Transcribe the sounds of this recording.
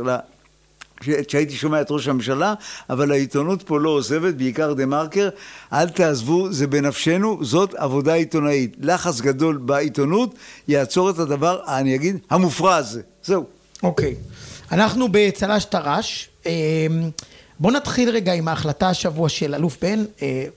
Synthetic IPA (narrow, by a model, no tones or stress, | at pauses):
la | eʃeait̪̬iʃo̞meaet̪ʁo̞ʃhamemʃalaavalait̪onut̪po̞lo̞ːze̞ve̞t̪beikaʁd̪emaʁkeʁʔalt̪aːzvuzebe̞nafʃe̞nuzo̞ta̰vo̞d̪ait̪o̞nait̪laχat͡sɡad̪o̞lbait̪onutjaːt͡so̞ʁetad̪avaʁniaɡid̪hamufʁaz | ze̞u | okejanaχnubet͡salaʃtaʁaʃem | bo̞nat̪χilʁeɡaimaːχlataaʃavuaʃelalufbe̞ne